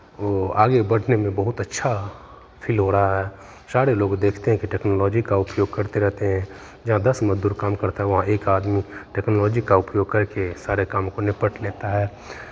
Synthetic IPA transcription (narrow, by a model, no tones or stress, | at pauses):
oːaːɡebɐɽ̤ʱnemẽbɐɦʊt̪ɐtːʃʰa | pʰiːlɦoɾɐɦaɦɛː | saːɾeloːɡd̪eːkʰt̪eɦɛ̃kiʈɛːknoːlɔːd͡ʒikaʊpjoːɡ̚kɐɾt̪eɾɛɦt̪eɦɛ̃ | d͡ʒɐɦãd̪ɐsməd͡ʒd̪uːɾkaːmkɐɾt̪aɦɛʋɐɦãʔeːkaːd̪miʈɛːknoːlɔːd͡ʒikaʊpjoːɡ̚kɐɾkesaːɾekaːmkonɪpəʈleːt̪aɦɛː